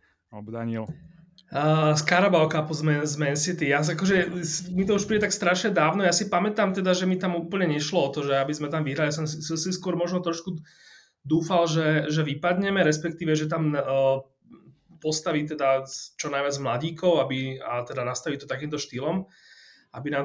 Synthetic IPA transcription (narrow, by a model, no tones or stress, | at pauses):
ɔbd̪aɲiɛl | əskaɾabaʊkapɔzmɛzmɛɛnsit̪ijasakɔʒɛsmit̪ɔuʃpɾiːɟɛt̪akst̪ɾaʃɲɛd̪aːʊnɔjaːsipamɛt̪aːmt̪ɛd̪aʒɛmit̪amuːpl̩ɲɛɲɛʃlɔɔt̪ɔʒɛabizmɛt̪amʋiɦɾalias̬ɔmsɔsiskʊɔɾmɔʒnɔt̪ɾɔʃku | d̪uːfalʒɛʒɛʋipad̪ɲɛmɛɾɛspɛkt̪iːʋɛʒɛt̪am | pɔst̪aʋit̪ɛd̪at͡ʃɔnajʋɪad͡zzmlaɟiːkɔʊabiat̪ɛd̪anast̪aʋit̪ɔt̪akiːmt̪ɔʃt̪iːlɔm | ʔabinaː